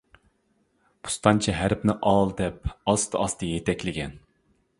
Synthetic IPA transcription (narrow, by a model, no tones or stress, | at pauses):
pʰu̥st̪ɑnt͡ʃʰɛɦæɾpnɪʔɑlˠd̪ɛp̚ɑst̪ʰɨɑst̪ɨjet̪ʰɛkʲlɪɡʲɛ̰n